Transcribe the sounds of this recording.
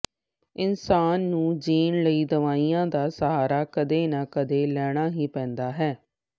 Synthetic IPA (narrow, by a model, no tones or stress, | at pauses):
ɪnsaːnːũːd͡ʒiːnləiːd̪əʋaːiːjãːd̪aːsəɦaːɾaːkəd̪eːnakəd̪eːlɛːɽ̃aːɦiːpɛ̃ːnd̪aːɦɛː